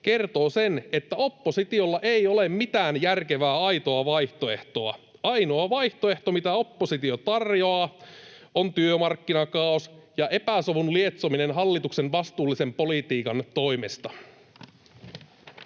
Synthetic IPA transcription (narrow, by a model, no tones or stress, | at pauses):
k̟e̞rt̪oːsene̞t̪ːæo̞pːosit̪io̞lːɑʔe̞ijo̞lemmit̪æːnjærke̞ʋæːɑjt̪o̞ɑʋɑjht̪o̞e̞ht̪o̞ɑ | ɑjnoɑʋɑjht̪oeht̪omit̪æo̞pːosit̪io̞t̪ɑrjo̞ɑː | ont̪yømɑrkːinɑkɑˑosjɑʔe̞pæsoʋunlie̞t̪somine̞nɦɑlːit̪ukse̞nʋɑst̪uːlːise̞mpo̞lit̪iːkɑnt̪o̞jmest̪ɑ